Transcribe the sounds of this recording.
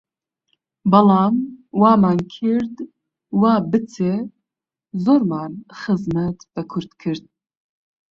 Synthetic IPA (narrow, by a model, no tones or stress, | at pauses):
bɑlɑːmwɑːmaːnkʰɨɾd̪ | wɑːbɨt͡sʰe | zoːɾmaːnxɨzmɐt̪b̥ɛkʰʊɾd̪kʰɨɾd̪̚